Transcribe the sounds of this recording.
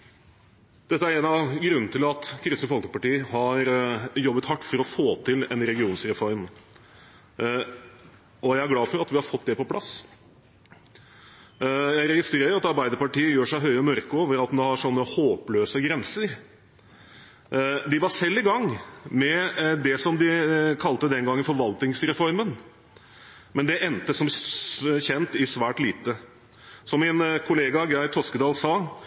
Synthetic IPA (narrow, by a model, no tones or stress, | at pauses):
d̪̥ɛt̪ːəæɾɛnɑʋɡɾʉnːn̩t̪ʰɪlɑt̪kʰɾɪsnəfɔlkəpɑʈiːəhɑɾjɔbːət̪hɑʈːfɔɾɔfoːt̪ʰɪlɛ̰nɾɛɡɪuːnsɾɛfɔɾm | ɔjæɪæɾɡlɑːfɔɾɑt̪ʋɪhɑɾfɔt̪̚ːd̪ɛpɔpʰlʔɑ̰s | jæɪɾɛɡɪst̪ɾeːɾəɾɑt̪ɑɾbæɪd̪əɾpɑʈiːəjøːʂæɪɦœʏɔmœɾkəoːʋəɾɑt̪md̪ɛhɑʂɔnːəhoːpløːsəɡɾɛnsəɾ | d̪ɪʋɑsɛlːɪɡɑŋːmɛd̪ɛsɔmd̪ɪkʰɑlt̪əd̪ɛnɡɑŋːənfɔɾʋɑlt̪ɪŋsɾɛfɔɾmən | mɛnd̪ɛʔɛnt̪əsɔm | çɛnt̪ɪsʋæːʈliːt̪ə | sɔmːɪnkʰʊleːɡɑɡɾæɪt̪ʰɔskəd̪ɑːlsɑː